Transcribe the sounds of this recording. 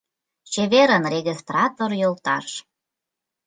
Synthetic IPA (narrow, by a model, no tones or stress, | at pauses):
t͡ɕeβeɾənreɣist̪rɑt̪orjolt̪ɑ̰ʃ